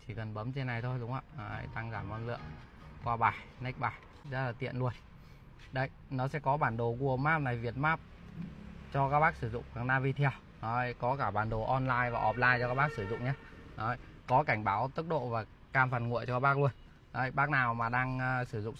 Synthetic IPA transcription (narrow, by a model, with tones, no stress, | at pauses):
t͡ɕi˧˩kə˨˩nɓə˨˦mt͡ɕe˧nːa˨˩jt̪ʰo˧jɗʊ˨˦ŋ͡mhə̰˧˨˧jɗaː˧ŋzaː˧˩mʔɔ˧nlɨ̰˧˨əŋ | kwaː˧ɓaː˨˩jna˦˥k̚ɓaː˨˩j | zə˦˥t̚laː˨˩t̪ḭ˧˨ənlu˧ən | ɗə˧˩j | nɔ˨˦sɛ̰˧˥kɔ˨˦ɓaː˧˩nɗo˨˩ku˧˩əmaː˦˥p̚na˨˩jvi˨˩ət̚maː˦˥p̚ | t͡ɕɔ˧kaː˦˥k̚ɓaː˦˥k̚sɨ˧˩zʊ̰˧˨ŋ͡mkaː˨˩naː˧vi˧t̪ʰɛ˧ə˧w | o˨˧˩jkɔ˨˦kaː˧˩ɓaː˨˩nɗo˨˩ʔɔ˧nlaː˧jvaː˨˩ʔɔ˨˩p̚laː˧jt͡ɕɔ˧kaː˦˥k̚ɓaː˦˥k̚sɨ˧˩zʊ̰˧˨ŋ͡mɲaː˧ʔə˨˩j | kɔ˨˦ka˧˩jŋ̟ɓaː˨˦wt̪ɨ˦˥k̚ɗo̰˧˨vaː˨˩ | kaː˧mfa˨˩nŋṵ˧˨ə˨t͡ɕɔ˧aː˦˥ɓaː˦˥k̚lu˧ən | o˨˧˩jɓaː˦˥k̚naː˨˩wmaː˨˩ɗaː˧ŋː˧sɨ˧˩zʊ̰˧˨ŋ͡m